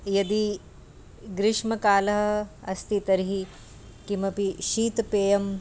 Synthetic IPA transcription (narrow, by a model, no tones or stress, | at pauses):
jɐd̪i | ɡɾɪʂmɐkaːlɐɦɐ̆ɐst̪it̪ɐɾiɦi | kimɐpiʃiːt̪peːjɐm